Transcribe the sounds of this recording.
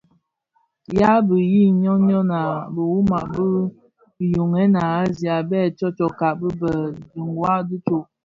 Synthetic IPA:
ja˦bə˨ji˦ɲɔ˦ɲɔ˦na˨bə˨wu˦ma˨bə˦˨ | jo˨ŋɛ˦na˨a˦zi˨a˨bɛ˦˨t͡ʃɔ˦t͡ʃɔ˨ka˨ʔbə˦bə˨di˨ŋwa˦du˦t͡ʃo˨ʔ

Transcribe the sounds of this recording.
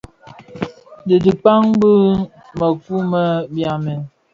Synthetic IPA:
də˨di˨pa˦ŋbə˦ | mə˨fu˦mə˦bja˨mɛ˨n

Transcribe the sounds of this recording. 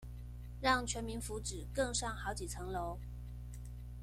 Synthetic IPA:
ɻɑ˥˩ŋt͡ɕʰɥɛ˧˥nmi˧˥nfu˧˥ʈ͡ʂɻ̩˨˩kɤ˥˧ŋʂɑ˥˩ŋxɑ˧˥ʊt͡ɕi˨˩t͡sʰɤ˧˥ŋlo˧˥ʊ

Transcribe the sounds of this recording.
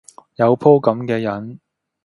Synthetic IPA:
jɐ˨˧wpʰo˥wkɐ˨˥mkɛː˧jɐ˨˥n

